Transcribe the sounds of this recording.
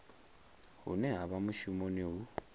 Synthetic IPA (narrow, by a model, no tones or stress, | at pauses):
hṵnɛɦaβamuʃumoniɦu